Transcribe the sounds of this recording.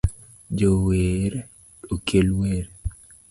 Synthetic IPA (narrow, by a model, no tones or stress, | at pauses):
d͡ʒoweɾe | okʰelweɾe